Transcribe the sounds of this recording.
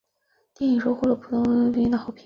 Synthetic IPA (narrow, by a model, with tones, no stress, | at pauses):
t̪jɛ˥˩i˨˩ŋʂo˥ʊxwɔ˥˩ʈ͡ʂɤ˧˥pʰu˨˩t̪ʰʊ˥ŋ˥pi˥nd̪ə˧xɑ˨˩ʊpʰi˧˥